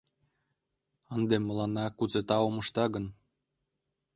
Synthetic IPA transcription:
ənd̪emːəlɑnɑkut͡set̪ɑoməʃt̪ɑɣən

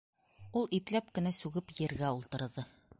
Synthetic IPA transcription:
ulˠiplæp̚kɘ̆næsʉɡɘpjɘ̆ɾɡæulˠt̪ɤ̆ɾðɤ

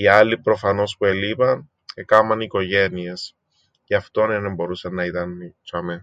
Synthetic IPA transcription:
iɐlipɾo̞fɐno̞spue̞lipɐn | ekɐmɐniko̞ʝe̞nies | ceɐft̪onenembo̞ɾusɐnːɐit̪ɐnit͡ʃɐme

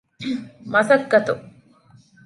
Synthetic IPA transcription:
mɐsɐkːɐt̪u

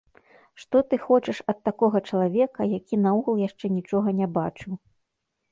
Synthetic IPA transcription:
ʂt̪ɔt̪ɨxɔt͡ʂɨʂɐt̪ːakɔɣɐt͡ʂɐlˠavʲɛkɐjakʲinauɣulˠjaʂt͡ʂɛnʲit͡ʂɔɣɐnʲabat͡ʂɨw

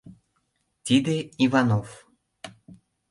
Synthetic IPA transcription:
t̪id̪eivɑnof

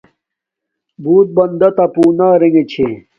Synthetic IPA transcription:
buːt̪̚bɐnd̪ɐt̪ɐpuːnaːɾeŋet͡ɕʰe

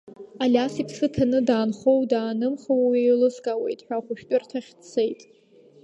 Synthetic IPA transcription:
alʲasipʰsɨtʰanɨdaːnχowdaːnɨmχawwejlɨsɡʼawe̞̰jtʼħʷᶣaχʷʊʃᶣtʼʊrtʰaχʲt͡sʰejtʼ

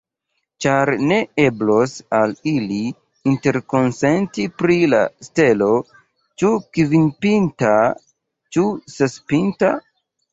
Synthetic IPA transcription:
t͡ʃaɾne̞e̞blosaliliː | nte̞ɾko̞nse̞ntipɾila̰ste̞lo̞ | t͡ʃukvinpinta | t͡ʃusespinta

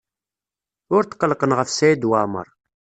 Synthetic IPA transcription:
ʊɾt̪qːəlqənʁəfsæjid̪wamə̰ɾˤ

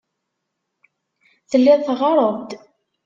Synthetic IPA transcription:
θəlːɪðˤθʁɑɾˤəvd̪

